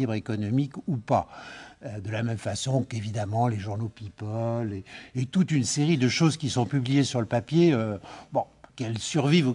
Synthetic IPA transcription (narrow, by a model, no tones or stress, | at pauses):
ibʁekɔnɔmikupaød̪əlamɛmfasɔ̃kevid̪amɑ̃leʒuʁnopipɔleːt̪ut̪ynseʁid̪əʃozkʲisɔ̃pyblijesyʁləpapjeøbɔ̃ | kɛlsyʁviv